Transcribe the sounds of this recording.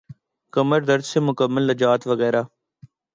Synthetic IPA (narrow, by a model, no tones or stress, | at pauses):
kəməɾd̪əɾd͡ʒseːmʊkəmːəlnəd͡ʒaːt̪ʋəɣɛːɾaː